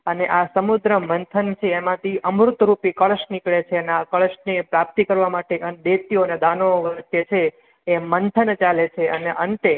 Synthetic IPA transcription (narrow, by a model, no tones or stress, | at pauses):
əneʔasəmud̪ɾəmənt̪ʰənt͡ʃʰeːmãt̪ʰiʔəmɾut̪ɾupikəɭəʃnikɭet͡ʃʰeəneakəɭəʃnepɾap̚t̪ikəɾʋamaʈeʔənd̪et̪ioned̪anoʋəɾt̪jet͡ʃʰeː | mənt̪ʰənt͡ʃalet͡ʃʰeəneʔəɳʈe